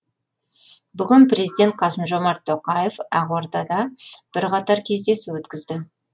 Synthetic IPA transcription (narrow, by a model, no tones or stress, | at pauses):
bʏɡʲɪnpɾʲe̞zijd̪ʲe̞nt̪̚qʰɑsəmʒo̞mɑɾt̪ʰːoqɑje̞fæʁwoɾd̪ɑd̪ɑb̥ɪɾqɑt̪ɑɾkʲʰe̞zd̪e̞sɪwɵt̪kʲɪzd̪ɪ